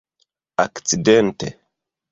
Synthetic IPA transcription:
akt͡sidentḛ

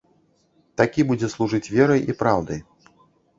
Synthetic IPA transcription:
t̪akʲibud͡zʲɛslˠuʐɨt͡sʲvʲɛɾɐjipɾawd̪ɐj

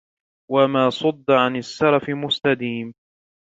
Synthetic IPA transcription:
wamaːsˤʊd̪ːʕanasːɑɾˤɑfɪmʊst̪ad̪iːm

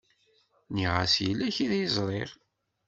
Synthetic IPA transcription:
niʁa̰sjəlːæçiðjəzˤɾˤeɾ

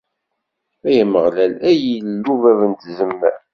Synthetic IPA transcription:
æjəməʁlælæjillːuvævənt̪zəmːæɾ

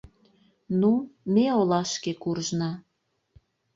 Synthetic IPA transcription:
numeolɑʃkekurʒnɑ

